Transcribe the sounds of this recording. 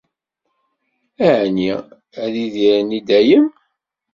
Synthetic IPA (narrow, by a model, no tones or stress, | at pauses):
æʕni | æðiðiɾnid̪æjəm